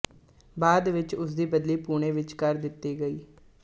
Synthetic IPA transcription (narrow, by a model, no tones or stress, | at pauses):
baːd̪ʋɪt͡ʃʊs̬d̪iːbəd̪liːpuːɳ̃eːʋɪt͡ʃkəɾd̪ɪt̪ːiːɡəiː